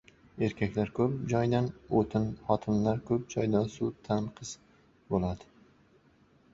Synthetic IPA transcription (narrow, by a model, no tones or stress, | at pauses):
e̞ɾkʲʰakʲlaɾkʰɵp̚d͡ʒɒjd̪anot̪ʰɪnχɒt̪ʰɪmlaɾkʰɵp̚d͡ʒɒjd̪ansut̪ʰanqʰɨz̥ | bolad̪ɪ